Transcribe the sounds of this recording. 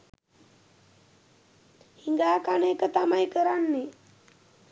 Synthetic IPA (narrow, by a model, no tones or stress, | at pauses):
hiŋɡaːkaneːkət̪amajkəɾanːe